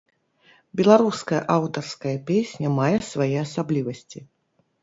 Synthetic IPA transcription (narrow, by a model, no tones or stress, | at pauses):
bʲɛlˠaɾuskɐjɐ̰ʔawt̪ɐrskɐjɐpʲesʲnʲɐmajɛsvajɛasablʲivɐsʲt͡sʲi